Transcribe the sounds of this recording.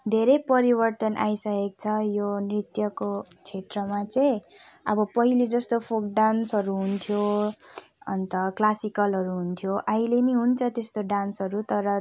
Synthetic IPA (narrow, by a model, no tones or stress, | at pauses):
d̪ʱeɾepʌɾibʌrt̪ʌnʔa̰jsʌkek̚t͡sʰʌjonrit̪jʌkot͡sʰet̪rʌmat͡sʌj̃ʌbʌpʌɦiled͡zʌst̪opʰok̚ɖansɦʌɾuɦunt̪ʰjo | ʌ̰nt̪ʌklasikʌlɦʌɾuɦunt̪ʰjoʔaileniɦunt͡sʰʌt̪est̪oɖansɦʌɾut̪ʌɾʌ